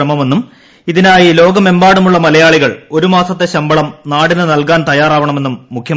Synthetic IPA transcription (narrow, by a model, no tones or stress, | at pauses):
ɐmɐme̞nːum | iðinaːjilo̞ːɡɐme̞mbaːɽumuɭːɐmɐlɐjaːɭiɣɐɭo̞ɾumaːsɐt̪ːe̞ɕɐmbɐɭɐmnaːɽinːɨnɐlkaːnt̪ɐjaːraːʋɐɳɐme̞nːumːukʰjɐ